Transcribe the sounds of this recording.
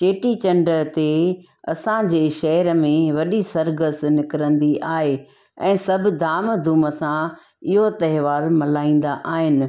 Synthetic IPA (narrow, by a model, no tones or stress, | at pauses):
t͡ɕeːʈit͡ɕɐ̃ɳɖət̪e | ɐsãd͡ʑeːʃɐɦəɾəmẽʋɐɗisɐɾɡəsnɪkɪɾə̃nd̪iʔaːɦe | ɛ̰̃ːsɐbʱɪ̆d̪aːmd̪ʱuːməsã | ɪɦot̪ɐɦɪʋaːɾmɐlaːĩːn̆d̪aʔaːɦɪnɪ̆